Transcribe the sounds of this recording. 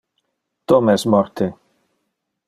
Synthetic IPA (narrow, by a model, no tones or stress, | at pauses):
t̪omɛsmɔɾt̪e